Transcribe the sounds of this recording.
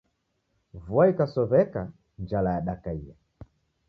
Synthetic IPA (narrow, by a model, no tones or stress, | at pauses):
vwaikasɔβɛka | nd͡ʒalajaɗakaija